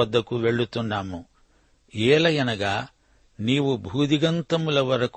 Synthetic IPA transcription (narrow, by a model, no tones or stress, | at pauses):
ɐd̪ːɐkːuʋeɭːut̪ːunɖaːmu | ɛːlɐjɐnɐɡɐ | niːʋubʱuːd̪iɡɐnt̪ɐmulɐʋɐɾɐk